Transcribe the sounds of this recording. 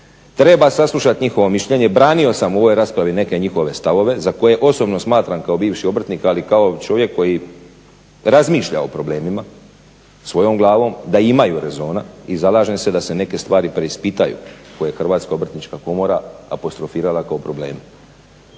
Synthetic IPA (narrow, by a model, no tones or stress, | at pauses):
t̪ɾe̞basaslˠuʃat̪ɲixo̞ʋo̞miʃʎe̞ɲe̞bɾaːnio̞samuo̞ʋo̞jɾaːspɾaʋine̞ke̞ɲixo̞ʋe̞st̪aʋo̞ʋe̞zako̞je̞ʔo̞sobno̞smaːt̪ɾamkao̞biːʋʃio̞br̩t̪nikalikao̞t͡ʃo̞ʋje̞kːo̞ji | ɾazmiːʃʎa̰o̞pɾo̞ble̞ːmima | sʋo̞jo̞mɡlˠaːʋo̞md̪aimajuɾe̞zo̞ːnaizalaːʒemse̞d̪ase̞ne̞ke̞st̪ʋaːɾipɾe̞ispit̪ajṵkojeexr̩ʋaːt̪skao̞br̩t̪nit͡ʃkako̞mo̞ɾaa̰po̞st̪ɾo̞fiːɾalakaopɾo̞ble̞̰ːm